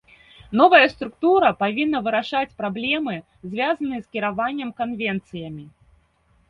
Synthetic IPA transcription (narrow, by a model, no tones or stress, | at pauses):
nɔvɐjɐst̪ɾukt̪uɾɐpavʲinːɐvɨɾaʂat͡sʲpɾablʲɛmɨ | zʲvʲazɐnɨjɛskʲiɾavanʲːɐmkanvʲɛnt̪sɨjɐmʲi